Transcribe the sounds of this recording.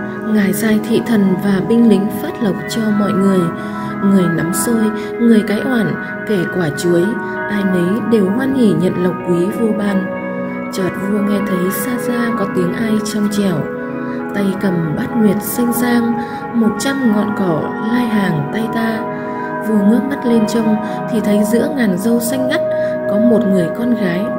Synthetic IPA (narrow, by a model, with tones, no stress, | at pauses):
ŋaː˨˩jzaː˧jt̪ʰḭ˧˨t̪ʰə˨˩nvaː˨˩ɓï˧ŋ̟lï˨˦ŋ̟faː˦˥t̚lə˨˩wk͡p̚t͡ɕɔ˧mɔ̰˧˨jŋɨ˨˩əj | ŋɨ˨˩əjna˨˦msəː˧j | ŋɨ˨˩əjkaː˨˦jʔwaː˧˩n | ke˧˩kwaː˧˩t͡ɕu˨˦əj | ʔaː˧˩jnə˨˦jɗe˨˩whwaː˧nhi˧˩ɲə̰˧˨nlə˨˩wk͡p̚kːwi˨˦vu˧ɓaː˧˩n | t͡ɕɔː˨˩t̚vṵ˧˨əŋa˧˩jt̪ʰə˨˦jsaː˧zaː˧kɔ˨˦t̪i˨˦əŋʔaː˧jt͡ɕɔ˧wŋ͡mt͡ɕɛ˧˩w | t̪a˧˩jkə˨˧˩mɓa˦˥t̚ŋwi˨˩ət̚sa˧jŋ̟saː˧ŋ | mo˨˩t̚t͡ɕa˧mŋɔ̰˧˨nkɔ˧˩ | laː˧jɦaː˨˩ŋt̪a˧jt̪aː˧ | vɨ˨˩ŋəː˦˥p̚ma˦˥t̚le˧nt͡ɕə˧wŋ͡m | t̪ʰi˨˩t̪ʰə˨˦jzɨ̰˧˥əŋaː˨˩nzə˧wsa˧jŋ̟ʔa˦˥t̚ | kɔ˨˦mo˨˩t̚ŋɨ˨˩əjkɔ˧nɣaː˨˦j